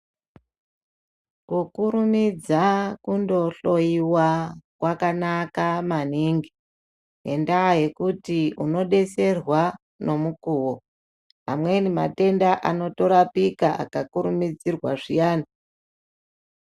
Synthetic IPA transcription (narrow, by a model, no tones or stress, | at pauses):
kukuɾumid͡zakundo̞ɬo̞jiwakwakanakamaniːŋɡi | ɦe̞̰ndaːɦe̞kutiuno̞ɗe̞se̞rwa | no̞mukuːwo | ɦa̰mwe̞nima̰te̞ndaʔano̞to̞ɾapikaa̰kakuɾumid͡zirwa̰ʐijaːna